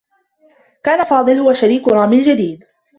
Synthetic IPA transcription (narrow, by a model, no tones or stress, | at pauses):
kaːnafɑːd̪ˤɨlhʊwaʃaɾiːkʊɾˤɑːmɪld͡ʒad̪iːd̪